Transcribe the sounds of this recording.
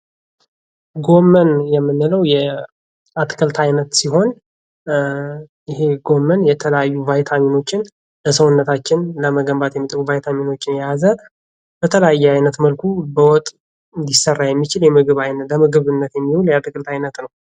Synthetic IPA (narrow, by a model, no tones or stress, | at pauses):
ɡo̞mːənjɛmːɨnːɨləwjɛ | at̪ʼkʼɨlt̪ʰajnət̪siɦo̞n | jɪheɡo̞mːənjɛt̪ʰələjajːuvajt̪ʰamino̞t͡ʃːɪn | ləsəwnːət̪ʰat͡ʃːɪnləməɡəmbat̪jɛmːit̪ʼəβuvajt̪ʰamino̞t͡ʃːɪnjazə | b̥ət̪ʰələjajːɛajnət̪məlkʰubəwɔt̪ʼ | ɨnd̪isərːajɛmːit͡ʃɪljɛmɨɡɨβajnələmɨɡɨβɨnːət̪jɛmːiwuljat̪ʼɨkʼɨlt̪ʰajnət̪nəw